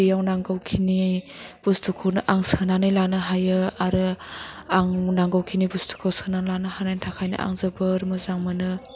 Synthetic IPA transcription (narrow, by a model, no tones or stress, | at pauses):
ijawnaŋɡɯwkʰini | b̥ustʰukʰownɯʔaŋsənanajlanɯɦajɯaɾɯaŋnaŋɡɯwkʰinibustʰu̥kʰowsənanlanɯhanajntʰakʰajnɯ̰ʔa̰ŋzɯbɯɾmɯzaŋmɯnɯ